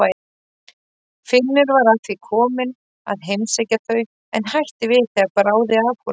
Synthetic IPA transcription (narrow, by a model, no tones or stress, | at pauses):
a | fɪnnːɪɾvaɾat̪vɪkʰɔːmɪn | a̰ðɦejmsejcaθœɥ | ɛnhajht̪ɪvɪðθɛapɾaːwðɪavhɔ